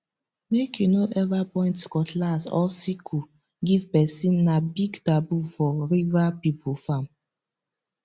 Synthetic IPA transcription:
mekʰjunoʔɛvapɔ̃ɪ̃ntkɔtlasɔ̰sikʰu | ɡivpɛsĩnːabiɡtabufɔɾivapipofam

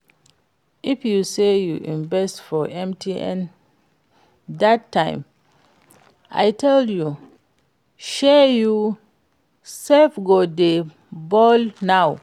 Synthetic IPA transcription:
ʔifjusejuʔĩnbɛstfɔʔɛ̃mtʰiʔɛ̰̃n | datʰːãɪ̃m | ʔa̰jtʰɛlju | ʃɛju | sɛfɡode | bɔlnaw

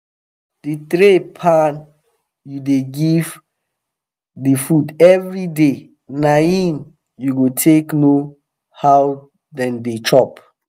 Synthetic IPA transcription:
d̥itɾepʰãn | judeɡiv | difudɛvɹide | naĩn | juɡotʰekno | haw | dɛ̃ndet͡ʃɔp

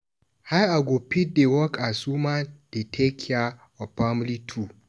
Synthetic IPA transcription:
hajaɡopit̚dewɔkasumand̥etʰekʰia | ɔpamlitʰu

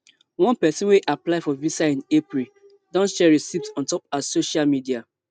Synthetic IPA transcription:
wɔ̃npɛsɔ̃nweʔaplaɪfɔvisaĩnepɹi | dɔ̃nsʃɛɹisipsɔ̃ntɔp̚asoʃalmidia

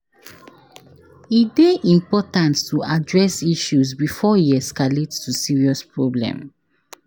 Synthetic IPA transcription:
ideʔĩmpɔtãntːuadɹɛsiʃuzbifɔiɛskaletːusiɹiɔspɹɔblɛ̰̃m

